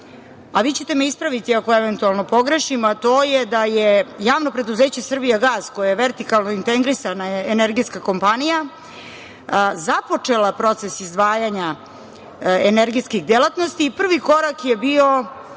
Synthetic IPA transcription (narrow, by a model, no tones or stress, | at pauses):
aʋiːt͡ɕe̞t̪emeispɾaʋit̪iako̞eʋe̞nt̪ualˠno̞po̞ɡɾe̞ʃimat̪o̞ːjed̪ajejaːʋno̞pɾe̞d̪uzeːt͡ɕe̞sr̩bijaɡaːzkojejeʋeɾt̪ikalˠnoint̪eɡɾisanaeneɾɡiskako̞mpanija | zapo̞t͡ʂelapɾo̞t̪se̞sizd̪ʋaːjaɲa | eneɾɡiskiɣd̪elat̪no̞st̪iːpr̩ʋiko̞ɾakjebio̞